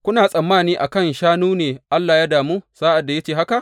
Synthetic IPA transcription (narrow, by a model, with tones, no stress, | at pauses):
kʷʊ˦naː˨sʼɐ˨mːaː˦˨niː˦ʔa˨kɐ˦nʃaː˦nuː˦neː˨ʔa˦lːaː˨ja˦daː˨muː˦saː˦ʔa˨dːa˨ja˦t͡ʃeː˦˨ɦa˦ka˨ʔ